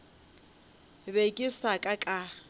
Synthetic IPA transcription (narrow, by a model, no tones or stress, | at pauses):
bekʼɪsakʼakʼa